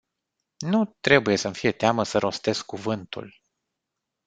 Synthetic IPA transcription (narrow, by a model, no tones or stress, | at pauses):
nut̪ɾe̞buje̞səmfije̞t̪eaməsəɾʔo̞st̪e̞skːuvɨnt̪ṵl